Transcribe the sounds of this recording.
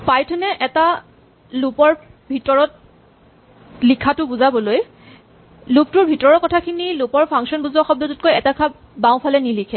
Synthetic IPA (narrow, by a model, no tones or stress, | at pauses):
pajtʰɔnɛʔɛta | lupɔɹbʱitɔɹɔt̚ | likʰatʊbuzabɔloj | lup̚tʊɹbʱitɔɹɔkɔtʰakʰinilupɔɹpʰaŋsɔnbuzɔxɔb̚dɔtɔt̚kojɛtakʰa | bãw̃pʰalɛnilikʰɛ